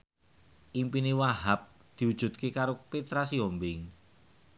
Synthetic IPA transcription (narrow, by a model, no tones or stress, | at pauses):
ʔimpiniwaɦap̚ | d̪̥i̤wud̥ʒ̥ṳt̪̚kekaɾopet̪ɾasiombɪŋ